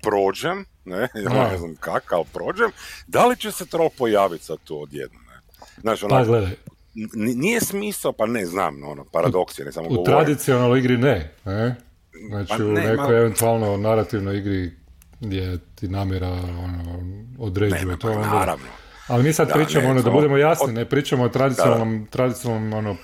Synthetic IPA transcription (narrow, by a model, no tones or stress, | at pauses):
pɾoːd͡ʒem | nejanaeznamkakalpɾoːd͡ʒemd̪alit͡ʃeset̪ɾok̚pojaːʋit̪sat̪uːod̪jḛd̪̚nomnḛ | znaːt͡ʃionpaɡled̪aj | ninijesmisapanezna̰ːmo̰nopaɾad̪oksinḛsamoɡut̪ɾad̪it̪sionalˠnojiɡɾinene | znaːt͡ʃiunekojeʋent̪ualˠnonaɾat̪iʋnojiɡɾi | jet̪inaːmjɛɾaonood̪ɾed͡ʒiʋot̪oonoɾa̰no | alimiːsad̪pɾiːt͡ʃamoonod̪abud̪e̞mojasninepɾiːt͡ʃamoot̪ɾad̪it̪ionalˠnomt̪ɾad̪it̪sinalnomono